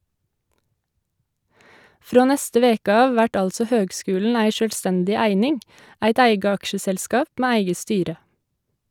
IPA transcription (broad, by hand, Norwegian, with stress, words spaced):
ˈfɾoː ˈnɛstə ˈʋeːkə ˈɑːʋ ˈʋæʈ ˈɑlsɔ ˈhøːɡˌskʉːlɳ̩ ˈæɪ ˈʃøːlˌstɛndɪ ˈæɪnɪŋ ˈæɪt ˈæɪɡə ˈɑkʃəsɛlˌskɑːp ˈmeː ˈæɪɡə ˈstyːɾə